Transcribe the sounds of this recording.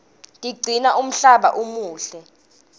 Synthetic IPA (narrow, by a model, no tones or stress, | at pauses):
tʼiɡ͡ǀʱinaʔum̩ɬaɓa̰ʔumuːɬɛ